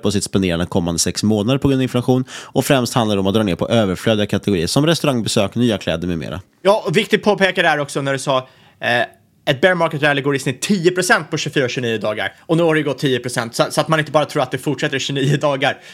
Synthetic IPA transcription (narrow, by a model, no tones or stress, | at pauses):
pʰɔsɪt̪spaneːɾand̪əkʰɔmːa̰nd̪əsɛksmoːnad̪əɾpʰɔɡɾɵnavɪnlamaɧuːnɔfɾɛmst̪hand̪ad̪ɖɛɔmat̪d̪ɾɑːneːɾpʰɔʔøːvəɾfløːd̪ɪɡakʰat̪ɛɡʊɾiːəɾʂɔmɾɛst̪ɵɾaŋbɛsøːknyːakʰlɛ̰ːd̪əɾmɛmḛːɾa̰ | jɑːɔvɪk̚t̪ɪɡ̚pʰoːpeːkadɛæɾɔksɔnæɖɵsɑː | ɛt̪̚bæɾmɑːɾkət̪ɾɛlɪɡoːɾɪsnɪt̪ʰːiːʊpʰɾʊsɛnt̪̚pʰɔɕʉfyːɾaɕʉniːəd̪ɑːɡa̰ɾɔnʉ̟ːhaɾɖɛɡɔt̪ʰːiːəpʰɾʊsɛnt̪sɔat̪sɔat̪manɪnt̪əbɑːɾat̪ʰɾuːɾat̪d̪ɛfʊʈʂɛt̪ːəɾɕʉniːəd̪ɑːɡaɾ